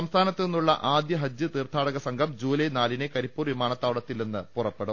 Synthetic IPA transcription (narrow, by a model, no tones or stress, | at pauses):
sɐmst̪ʰaːnɐt̪ːɨenːuɭːɐ̰ʔaːd̪jɐɦɐd͡ʑːɨt̪iːrt̪ʰːaːɽɐɣɐsɐŋɡʰʱɐmd͡ʑuːlɐjnaːlinekɐɾipːuːrʋimaːɳɐt̪ːaːʋɐɽɐt̪ːilnenːɨpurɐpːe̞ɽum